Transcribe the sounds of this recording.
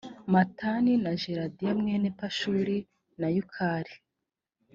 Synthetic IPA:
mataninaʒeɾadijamŋenepaʃuːɾi | najukʰaːɾi

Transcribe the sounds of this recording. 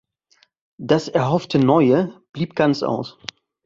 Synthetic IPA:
d̥asɛɐɦɔftʰənɔʏəb̥liːp̚ɡ̥ant͡sʔa̰ʊs

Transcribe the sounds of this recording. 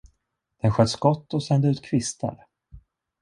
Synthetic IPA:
d̪̥ɛnɧœt̪ːskɔt̪ːɔsɛnd̪əʉ̟ːt̪̚kʰvɪst̪ʰa̰ɾ

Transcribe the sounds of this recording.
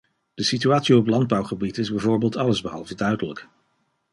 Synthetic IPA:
d̥əsityaːtsiɔplɑnd̚bɑwχəbitɪzbɛjvʊːɹbeːlˠtɑləzbəɦɑlˠvədœɥdələk

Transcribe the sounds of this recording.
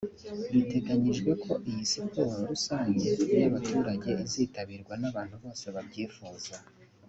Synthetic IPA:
jite̞ɡaɲiʒɡwe̞kʰo̞ʔijisipoɾoɾusaːɲɟeejaβatuːɾaɟe̞iziːtaβiːɾɡwanaβaːn̥huβo̞ːse̞βabɟiːfuːza

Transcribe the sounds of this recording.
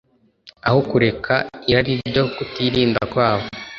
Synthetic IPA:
ahokuɾe̞kʰaiɾaɾiɾɟo̞kutiɾiːndakwaːβo

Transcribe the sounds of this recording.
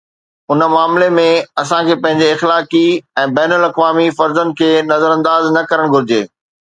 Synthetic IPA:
ʊnəmaːmlemẽɐsãkʰeːpɐ̃ɦɪ̃ɲd͡ʑeɪxlaːkiɛ̃ːbɛːnʊlɐkʋaːmifɐɾzən̚kʰeːnɐzəɾɐ̃nd̪aːznɐkɐɾəɽ̃ɡʱʊɾɪd͡ʑeː

